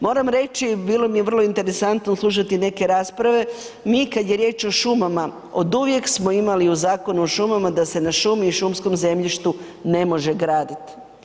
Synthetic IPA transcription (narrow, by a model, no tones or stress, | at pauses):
mo̞ːɾamɾe̞t͡ʃibiːlˠo̞mijeʋr̩lˠo̞int̪e̞ɾe̞sant̪noslˠuʃ̬at̪ine̞ke̞ɾaːspɾaʋe̞ | miːkad̪je̞ɾjeːt͡ʃo̞ʃumama | o̞d̪uʋje̞ksmoimaliuzaːko̞nuoʃumamad̪ase̞naʃumiːʃumsko̞mze̞mʎiʃt̪u | ne̞mo̞ʒe̞ɡɾaːd̪it̪i̥